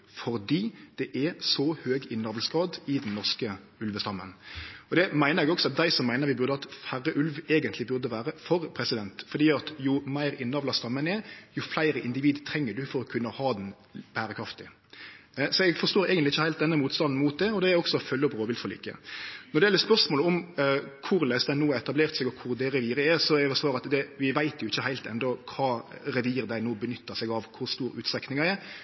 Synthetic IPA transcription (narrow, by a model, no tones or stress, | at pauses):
fɔɾd̪iːd̪̥ɛʔɛsɔhøːɡɪnːɑʋlsɡ̥ɾɑːd̪ɪd̪nnːɔʁskə | ʉlʋəst̪ɑmːə̰nɔd̪ɛmæɪnəɾɛɡɔksɔɑt̪̚d̪æɪsɔmːæɪnəɾʋɪbʉʁd̪əɑt̪fæʁːəʔʉlʋeːɡənt̪ʰlɪbʉʁd̪əʋæːɾəfɔɾpʰɾɛsɪd̪ɛnt̪fɔʁd̪iːɑt̪jʊmæɪɾɪnːɑʋlɑst̪ɑmːənɛɾjʊflæɪɾəʔɪnd̪ɪʋiːd̪t̪ʰɾɛŋːəd̪ʉfɔɾɔkʰʉnːəhɑːd̪n | b̥æːɾəkʰɾɑft̪ɪ | sɔɛɡfɔʂst̪oːɾæːɡənlɪçːəhæɪlt̪d̪ɛnːəmuːt̪st̪ɑnn̩muːt̪̚d̪ɛɔd̪ɛæɾɔksɔfœlːəɔbɾoːʋɪlt̪fɔlḭːkə̰nɔɾɖ̪ɛjɛlːəɾspœɾʂmoːləɔmkʰʊɾlæɪsd̪æɪnoːɛt̪ɑbleːɾt̪sɛɡɔkʰʊɾd̪ɛɾɛʋiːɾəɛsɔɛɛʋɛsʋɑːɾɑt̪d̪ɛʋɪʋæɪt̪ʰjʊɪçːəhæɪlt̪ɛ̰nd̪ɔkʰɑːɾɛʋiːɾd̪æɪnoːbənʏt̪ʰːəsɛɡɑʋkʰʊɾst̪uːɾʉːt̪st̪ɛknɪŋɑɛɾ